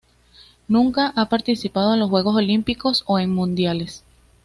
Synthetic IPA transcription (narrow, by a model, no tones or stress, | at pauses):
nũŋkaʔapaɾt̪isipaðo̞enlosxwe̞ɣo̞so̞limpiko̞so̞e̞ŋmũnd̪jale̞s